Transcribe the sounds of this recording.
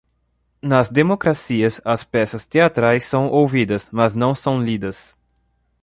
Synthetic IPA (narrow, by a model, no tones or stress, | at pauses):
nɐzd̪emokɾasiɐsɐspɛsɐst̪eat̪ɾajsːɐ̃w̃ʔowvid̪ɐsmɐznɐ̃w̃sɐ̃w̃lid̪ɐs